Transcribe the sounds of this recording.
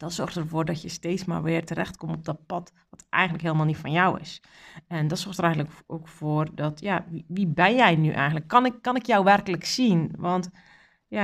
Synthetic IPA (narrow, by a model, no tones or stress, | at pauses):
d̥ɔtsɔrxtərvoːrdɔtjəsteːsma̰rʋɪːrtərɛxtkomɔp̚dɔt̚pɑt | ʋɔtʔɛ̰jɣəntləkɦɪːlˠəmalˠnitfɔnjɔwɪ̰s | ɛndɔtsɔrxtəɾɛjɣənləkoːkfoːrdɔtjaʋiʋibɛnjɛjnyʔɛ̰jɣəntləkːɑnɪkːɑnɪkjɔwʋɛrkələksinʋɔnt | ja